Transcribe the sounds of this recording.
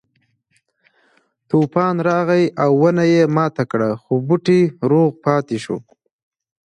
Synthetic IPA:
t̪upɑnɾɑɣajawːənajemɑt̪akɽaxobuʈiɾoɣpɑt̪iʃo̰

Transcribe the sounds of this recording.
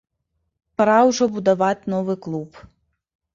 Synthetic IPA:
pɾawʐɔbud̪avat͡sʲnɔvɨklˠup

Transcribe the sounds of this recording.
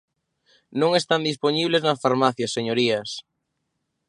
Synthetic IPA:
nõŋest̪and̪isponiβleznɐsfaɾmaθjɐseɲoɾiɐs

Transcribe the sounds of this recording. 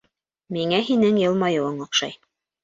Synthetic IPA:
miŋæɦinɘŋjɤ̆lˠmɑjɤ̆wɤɴŏqʃɑj

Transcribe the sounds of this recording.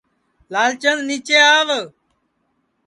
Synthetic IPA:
laːlt͡ʃənniːt͡ʃeːaːʋ

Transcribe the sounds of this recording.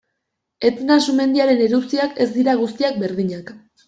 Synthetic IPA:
e̞t̪enasume̞nd̪iaɾe̞neɾut͡siake̞zd̪iɾaɣ̞ust̪iak̚be̞ɾðiɲak

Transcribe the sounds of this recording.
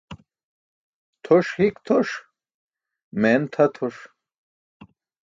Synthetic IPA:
t̪ʰoʂhikt̪ʰoʂ | ment̪ʰɐt̪ʰoʂ

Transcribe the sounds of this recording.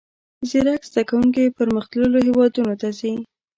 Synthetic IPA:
ziɾakz̥d̪akawuŋk̬ipəɾməxt̪ləloɦewɑd̪unot̪azi

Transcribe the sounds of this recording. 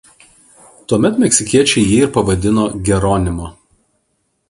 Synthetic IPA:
t̪uɔmʲɛt̪mʲɛksʲɪkʲiɛt͡ʃʲɛɪjiːɪɾpɐʋɐd̪ʲɪnoːɡʲɛɾoːnʲɪmoː

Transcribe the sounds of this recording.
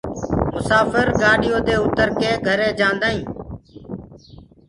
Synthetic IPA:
mʊsaːfəɾɡaːɗɪjoːd̪eːʊt̪əɾkeːɡʱəɾẽːd͡ʒãːnd̪aːĩː

